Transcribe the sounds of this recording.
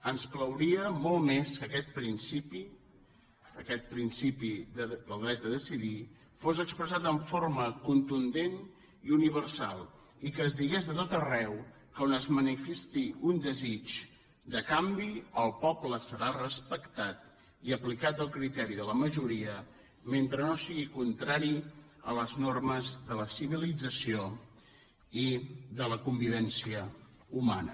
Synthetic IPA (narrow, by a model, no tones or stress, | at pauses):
ənskləwɾiəmɔlˠmeskəkɛt̪̚pɾinsipi | əkɛt̪̚pɾinsipid̪əlˠd̪ɾɛd̪əðəsiði | fozəkspɾəzat̪əɱfoɾməkunt̪und̪en | iuniβ̞ərsalˠ | ikəːzðiɣezðət̪ot̪ərɛw | kəonəzmənifɛst̪iund̪əzit͡ʃ | d̪əkambiəlˠpɔpləsəɾarəspəkt̪at̪̚ | iəplikat̪̚əlˠkɾit̪ɛɾiðələməʒuɾiə | ment̪ɾənosiɣikunt̪ɾaɾiələznorməzðələsiβ̞ilid͡zəsio | iðələkumbiβɛnsiə | umanə̰